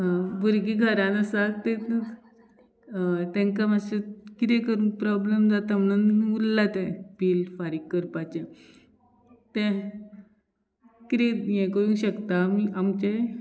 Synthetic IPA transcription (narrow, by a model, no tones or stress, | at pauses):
buɾɡiːɡʱəɾãnasaɡ̚t̪ẽt̪ | t̪ɛ̃ŋkamasekit̪ekəɾũːpɾɔblemd͡zat̪amnənullːat̪ẽpiːlfaɾikːəɾpat͡ɕe | t̪ẽ | kit̪ejẽkoɽũːɕəkt̪amiʔamt͡ɕe